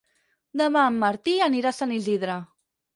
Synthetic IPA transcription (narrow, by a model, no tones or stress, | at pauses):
d̪əmamːəɾt̪iəniɾasəniziðɾa